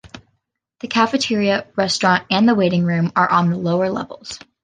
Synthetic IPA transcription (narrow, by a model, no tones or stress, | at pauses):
ðɨkʰæfɨtʰɪɹiɨɹɛstɹ̥ɑ̃ntɨ̃nðəweɪɾɪ̃ŋɹʉ̃mə˞ʔə̃nðəloʊə˞lɛ̰vl̩ˠz̥